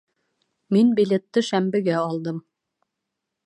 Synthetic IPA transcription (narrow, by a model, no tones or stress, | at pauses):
minbilet̪ːɘʃæmbɘ̆ɡæɑlˠd̪ɤm